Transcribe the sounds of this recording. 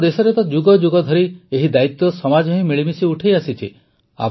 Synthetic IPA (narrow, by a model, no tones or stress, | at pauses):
d̪esɔɾet̪ɔd͡ʒuɡɔd͡ʒuɡɔd̪ʱɔɾieɦid̪ait̪ːɔsɔmad͡ʒɔɦĩmiɭimisiuʈʰejasit͡ʃʰi | a̰